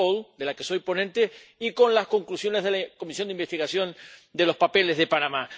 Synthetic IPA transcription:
old̪e̞lake̞so̞jpo̞nẽnt̪eiko̞nlasko̞ŋklusjo̞ne̞zðelako̞misjo̞nd̪imbe̞st̪iɣasjo̞nd̪e̞lo̞spape̞lezðe̞panama

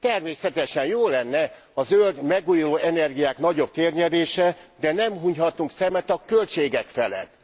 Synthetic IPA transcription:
t̪ɛrmeːsɛt̪ɛʃɛnjoːlɛnːɛ | ɒzøld̪mɛɡuːjuloːʔɛnɛrɡijaːkn̪ɒɟo̞b̚t̪eːrɲɛd̪eːʃɛd̪ɛnɛmɦuɲhɒt̪uŋksɛmɛt̪ɒkølt͡ʃeːɡɛkfɛlɛ̰t̪ː

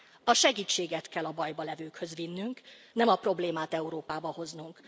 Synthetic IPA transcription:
ɒʃɛɡiːt͡ʃːeːɡɛt̪kɛlɒbɒjbɒlɛvøːkhø̞zʋinːyŋk | nɛmɒpro̞bleːmaːt̪ɛuɾoːpaːbɒho̞znuŋk

